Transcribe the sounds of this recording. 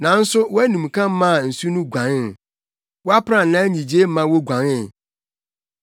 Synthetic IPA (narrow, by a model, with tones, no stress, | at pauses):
nã˨n̩˦sʊ˦wɔ˦æ˦nũ˨m˨kʰã˦m˦mã˦˨n̩˨su˦nũ˦ɡʷã˨nɪ˦n˨ | wɔ˦a˦pʰɾã˨n̩˨nã˦ɲĩ˨d͡ʑe˦m˦mã˦wo˦ɡʷã˨nɪ˨